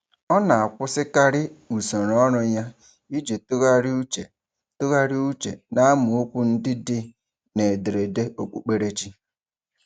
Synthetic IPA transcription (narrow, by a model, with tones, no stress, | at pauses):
ɔ˦na˨a˨kʷʊ˦sɪ˦ka˦ɾɪ˦u˨so˨ɾɔ˦ɾʊ˦ɲa˦ | i˦d͡ʒe˨tɣa˦ɾu˦t͡ʃe˨ | tʊ˦ɣa˦ɾɪ˦u˦t͡ʃḛ˨na˦a˦mʊ˨ʊ˦kʷʊ˦n̩˦dɪ˦dɪ˦ | ne˨de˨ɾe˨de˦o˨k͡pu˨k͡pe˨ɾe˦t͡ʃi˦